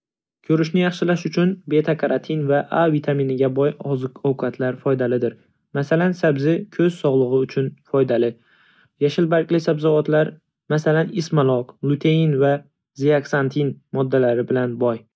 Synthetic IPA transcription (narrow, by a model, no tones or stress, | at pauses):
kʲʰɵɾɪʃnɪjɑχʃɪlaʃʊt͡ʃʰʊnbe̞t̪ʰakʰaɾat̪ʰinvaʔavit̪ʰaminɪɡʲabɒjɒzɨqɒwqʰat̪ʰlaɾfɒjd̪alɪd̪ɪɾ | masalansabzɪkʲʰɵz̥sɒʁlˠɨʁɨʊt͡ʃʰʊnfɒjd̪alɪ | jaʃɪlbaɾkʲlɪsabzavɒt̪laɾ | masalanɪsmalˠɒqlˠʊt̪ʰeinva | ziaksant̪ʰinmɒd̪ːalaɾɪbɪlanbɒj